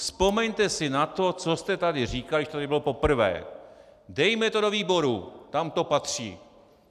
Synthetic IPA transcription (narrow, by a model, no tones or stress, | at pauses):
spo̞mɛɲt̪ɛsɪnat̪o̞t͡so̞st̪ɛt̪adɪr̝iːkalɪɛt̪ot̪adɪbɪlo̞po̞pr̩vɛ̰ː | dɛjmɛt̪odo̞viːbo̞ɾut̪amt̪o̞pat̪r̝̥ḭː